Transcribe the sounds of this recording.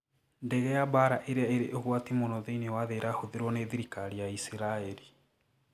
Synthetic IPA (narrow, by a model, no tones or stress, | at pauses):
ndɛɣɛjabaɾaʔeɾeaeɾeʔoɣwatimonɔðeinewaðeɾahoðeɾwɔneðiɾikaɾijaisiɾaeɾi